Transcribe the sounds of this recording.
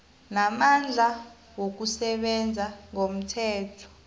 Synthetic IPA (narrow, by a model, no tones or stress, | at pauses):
namand͡ɮʱa | wok̬usɛɓɛnd͡zʱaŋom̩tʰɛːtʰɔ̥